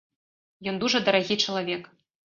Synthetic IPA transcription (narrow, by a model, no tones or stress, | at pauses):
jɔnd̪uʐɐd̪ɐɾaɣʲit͡ʂɐlˠavʲɛk